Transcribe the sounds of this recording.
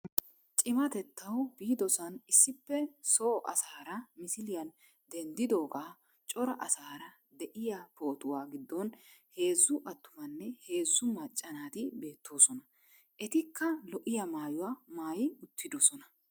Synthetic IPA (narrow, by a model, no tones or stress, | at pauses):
t͡ʃʼɪmɐt̪ɛt̪ːɐwbiːd̪ɔsɐnɪsːɪpːɛsoːʔɐ̰saːɾɐmɪsɪlɪjɐn | d̪ɛnd̪ɪd̪o̞ːɡaː | t͡ʃʼɔɾɐʔɐsaːɾɐ | d̪ɛʔɪjapo̞ːt̪ʊwaːɡɪd̪ːɔnhe̞ːzːʊʔɐt̪ːʊmɐnːɛhe̞ːzːʊmɐt͡ʃʼːɐnaːt̪ɪbe̞ːt̪ʰːo̞ːsɔnɐ | ʔɛt̪ɪkʰːɐlɔʔɪjɐmaːjʊwaːmaːjɪʊt̪ːɪd̪ɔsɔnɐ